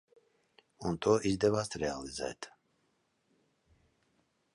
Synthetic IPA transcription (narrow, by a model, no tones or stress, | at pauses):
unt̪ʰʼɔʔizd̪ɛvast̪ɾɛalizɛ̰jt̪ʰ